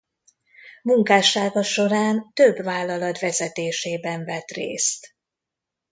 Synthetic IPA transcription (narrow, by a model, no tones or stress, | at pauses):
muŋkaːʃaːɡɒʃo̞ɾaːnt̪øbvaːlːɒlɒt̪ʋɛzɛt̪eːʃeːbɛɱvɛt̪rḛːst̪